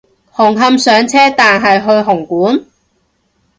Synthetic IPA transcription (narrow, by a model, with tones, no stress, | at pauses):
hʊ˨˩ŋɦɐ˧msœː˨˧ŋt͡sʰɛː˥t̪aː˨nɦɐ˨jɦɵ˧ɥɦʊ˨˩ŋkuː˨˥n